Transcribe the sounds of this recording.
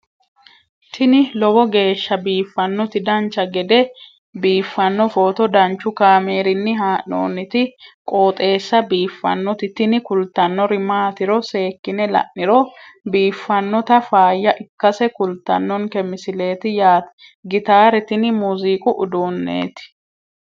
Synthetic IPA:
t̪ʰɪnɪlɔbɔɡe̞ːʃːɐbiːfːɐnːɔt̪ɪd̪ɐnt͡ʃːɐɡɛd̪ɛ | biːfːɐnːɔfoːt̪ɔd̪ɐnt͡ʃːʊkaːmeːɾɪnːɪɦaːʔno̰ːnːɪt̪ɪkʼo̞ːt̪ʼe̞ːsːɐbiːfːɐ̰nːɔt̪ɪt̪ɪnɪkʊlt̪ːɐnːɔɾɪmaːt̪ɪɾɔse̞ːkːɪnɛlɐ̰ʔnɪɾɔbiːfːɐnːɔt̪ɐfaːjːɐʔɪkːɐsɛkʊlt̪ːɐnːɔnkɛmɪsɪle̞ːt̪ɪjaːt̪ | ɡɪt̪aːɾɛt̪ɪnɪmuːziːkʼʊʔʊd̪uːnːḛːt̪ɪ̥

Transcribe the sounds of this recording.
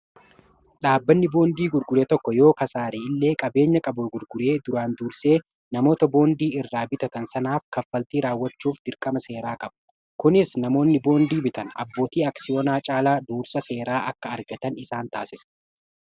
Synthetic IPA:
ᶑaːbːɐnːɪbo̞ːnd̪iːɡʊɾɡʊɾeːt̪ɔkːɔjo̞ːkɐsaːɾeːɪlːe̞ːkʼɐbe̞ːɲːɐkʼɐbʊɡʊɾɡʊɾe̞ːd̪ʊɾaːnd̪uːɾse̞ː | nɐmo̞ːt̪ɐbo̞ːnd̪iːɪrːaːbɪt̪ɐt̪ɐnsɐnaːfkɐfːɐlt̪iːɾaːwːɐt͡ʃːuːfd̪̥ɪɾkʼɐmɐse̞ːɾaːkʼɐbɐ̥ | kʊnɪsnɐmo̞ːnːɪbo̞ːnd̪iːbɪt̪ɐnɐ̰bːoːt̪iːɐksɪjoːnaːt͡ʃʼaːlaːd̪uːɾsɐse̞ːɾaːʔɐkːɐɐɾɡɐt̪ɐnɪsaːnt̪aːsɪsɐ̥

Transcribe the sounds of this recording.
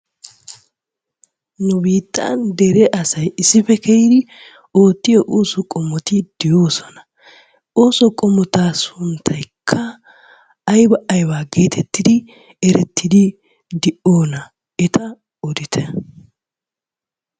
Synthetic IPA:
nʊbiːt̪ʼːa̰ːnd̪ɛɾɛʔɐsɐjɪsːɪfɛkɛjɪd̪ɪ | o̞ːt̪ːɪjɔʔoːsɔkʼɔmːɔt̪ɪd̪̥ɪjo̞ːsɔnɐ | oːsɔkʼɔmɔt̪aːsʊnt̪ʰːɐjkʰːɐː | jbɐʔɐjwaːɡe̞ːt̪ʰɛt̪ːɪd̪ɪ | ɛɾɛt̪ːɪd̪ɪ | d̪ɪʔo̞ːnɐ | ɛt̪ɐ | ɔd̪ɪt̪ʰɛ

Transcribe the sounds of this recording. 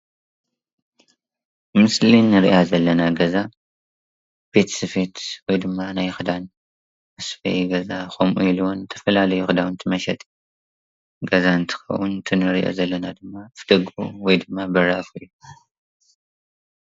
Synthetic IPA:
mɨslinːɨɾḭʔazɐlːɐnaɡɐza | b̥e̞t̪ʰsɨfe̞t̪wɔjd̪ɨmːanajxɨd̪an | ʔɨsfɐ̰jɡɐzaxomʔuiluwont̪ʰɐfɐlalɐjuxɨd̪awnt̪ʰɨmɐʃɛt̪ʼ | ɡɐzaɨnt̪ʰɨ̥xɐ̰wunt̪ʰɨnɨɾiʔo̰zɐlːɐnad̪ɨmːafd̪ɐɡṵwɔjd̪ɨmːabɨraʔfɨjːu

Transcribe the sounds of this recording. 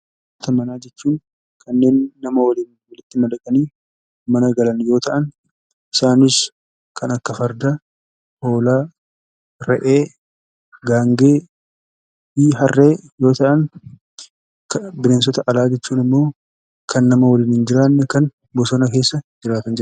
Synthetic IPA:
t̪ɐmɐnaːd͡ʒɛt͡ʃːuːn | kʰɐnːe̞ːnːɐmɐwɐliːn | wɐlɪt̪ːɪmɐd̪ɐkʼɐniː | mɐnɐɡɐlɐnjo̞ːt̪ɐʔɐn | ʔɪsaːnɪs | kʰɐnɐkːɐfɐɾd̪a | ho̞ːlaː | ɾɛʔeː | ɡaːŋɡe̞ː | iːɦɐrːe̞ːjo̞ːt̪ɐʔɐn | kbɪnens̬ɔt̪ɐʔɐlaːd͡ʒɛt͡ʃːuːnɪmːo̞ː | kʰɐnːɐmɐwɐliːnhɪnd͡ʒɪɾaːnːɛkɐn | bɔsɔnɐke̞ːsːɐd͡ʒɪɾaːt̪ɐnd͡ʒɪɾ

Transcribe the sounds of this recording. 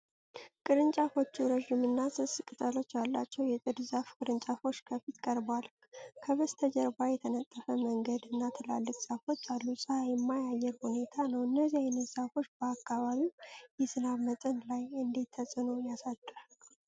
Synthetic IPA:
kʼɨɾɨnt͡ʃʼafo̞t͡ʃːuɾəʒimɨnːasɨskʼɨt̪ʼəlo̞t͡ʃːjalːa̰t͡ʃːɛwjɛt̪ʼɨd̪ɨzafkʼɨɾɨnt͡ʃʼafo̞t͡ʃːkʰəfit̪kʼəɾbwal | kʰəβəst̪ʰəd͡ʒɛɾbajɛt̪ʰənət̪ʼːəfəməŋɡəd̪ɨnːat̪ʰɨla̰lːɨkʼsʼafo̞t͡ʃːalːusʼɨhajɛmːajajːɛɾhune̞t̪ʰanəwɨnːəziajnɨzafo̞t͡ʃːbəakːaβaβiwjɛsɨnaβmət̪ʼənlajɨnd̪it̪ʰːəsʼɨnuwjasad̪ʼːɨ

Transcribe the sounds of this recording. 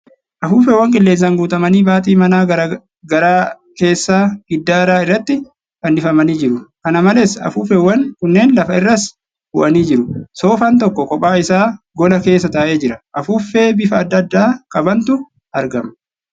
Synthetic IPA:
ʔɐfuːfɛwːɐŋkʼɪlːe̞ːs̬ːɐŋɡuːt̪ʼɐmɐniːbaːt̪ʼiːmɐnaː | ɡɐɾaː | ke̞ːsːaːɡɪd̪ːaːɾaːɪrːɐt̪ːɪ | kɐnɪfɐmɐniːd͡ʒɪɾʊkɐnɐmɐlesɐ̰fuːfɛwːɐnkʊnːe̞ːnlɐfɐɪrːɐs | bʊʔɐniːd͡ʒɪɾʊso̞ːfaːnt̪̬ɔkːɔkɔpʼːaːɪsaː | ɡɔlɐke̞ːsːɐt̪ɐːʔe̞ːd͡ʒɪɾɐʔɐfuːfːe̞ːbɪfɐːd̪ːɐd̪ːaːkʼɐbɐnt̪ʊ | ɐɾɡɐm

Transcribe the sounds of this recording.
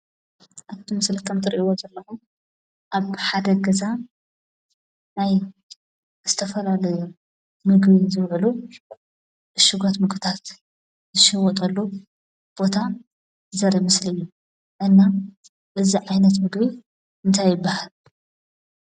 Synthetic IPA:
ʔaβt̪ʰimɨslikʰɐmt̪ʰɨɾʔiwozɐlːɐxu | ʔaβħad̪ɐɡɐza | naj | z̥ɨt̪ʰɐfɐlalɐju | mɨɡbizɨβʕlu | ʔɨʃɨɡat̪mɨɡbt̪ʰat̪ | zɨʃɨwɔt̪ʼɐlːu | b̥o̞t̪ʰa | ɨzɐɾimɨslɨjːu | ʔɨnːa | ʔɨziʕajnɐt̪mɨɡβi | ʔɨnt̪ʰajːɨbːahal

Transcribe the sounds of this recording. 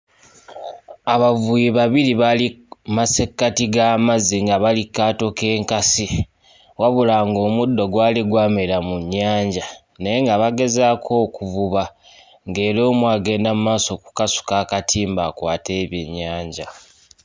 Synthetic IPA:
aβavujiβaβiliβalimase̞kːatiɡaːmaziŋɡaβalikːaːto̞ke̞ːŋkasi | waβulaŋɡo̞ːmudːo̞ɡwaːliɡwaːmeɾamuɲːaːɲɟa | ne̞jeŋɡaβaɡe̞zaːkʰo̞ːkuvuβa | ŋɡeːɾo̞ːmwaːɡe̞ːndamumaːso̞ku̥kasu̥kaːkatʰiːmbakwaːte̞ːβjeɲːaːɲɟa

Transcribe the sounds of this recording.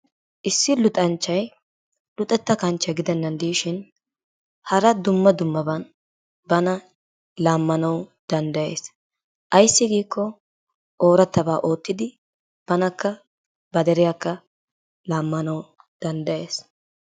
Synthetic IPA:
ʔɪsːɪlʊt̪ʼɐnt͡ʃːɐj | lʊt̪ʼɛt̪ːɐkɐnt͡ʃːɐjɡɪd̪ɛnːɐnd̪iːʃɪn | hɐɾɐd̪ʊmːɐd̪ʊmːɐbɐn | bɐnɐ | laːmːɐnɐwd̪̥ɐnd̪ɐje̞̰ːs | ʔɐjsːɪɡiːkːɔ | ʔoːɾɐt̪ːɐbaːʔo̞ːt̪ːɪd̪ɪ | b̥ɐnɐkːɐ | bɐd̪ɛɾɪjakːɐ | laːmːɐnɐw | d̪̥ɐnd̪ɐje̞ːs

